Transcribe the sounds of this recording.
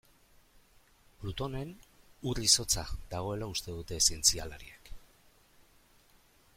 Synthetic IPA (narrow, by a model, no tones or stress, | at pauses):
plut̪o̞ne̞nuriso̞t͡saðaɣ̞o̞e̞laust̪e̞ðut̪e̞sie̞nt͡sialaɾḭek